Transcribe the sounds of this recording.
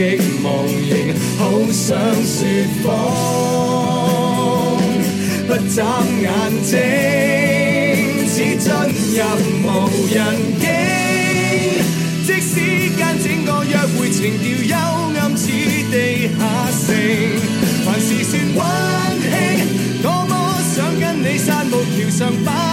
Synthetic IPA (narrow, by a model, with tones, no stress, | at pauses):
ɪ˥k̚mɔː˨˩ŋjɪ˨˩ŋ | ho˨˥wsœː˨˥ŋsyː˧t̚fɔ˧˥ | ŋ | hɐ˧t͡saː˧˥mŋaː˨nt͡sɪ˧˥ | ŋŋ | t͡sʰiː˨˥t͡sɐ˥n | jɐ˨˧p̚ | mo˨˩wjɐ˨˩n | kɪ˥ | t͡sɪ˥k̚si˨˥ | kaː˧nt͡sɪ˥ŋːɔː˨˧jœː˧k̚wuː˨˧jt͡sʰɪ˨˩ŋt̪iː˧wjɐ˧wŋɐ˧mt͡sʰiː˨˥t̪e˨˧j | haː˨ | sɪ˧ŋ | waː˨˩nsiː˨˧syː˧nwaː˥ | nhɪ˧˥ŋ | ŋɔː˨˧mɔ˨˧ | sœː˨˥ŋːɐ˧˥nne˨˧jsaː˧˥nmo˨˧wt̪ʰiː˨˩wsœː˨ŋpa˦˥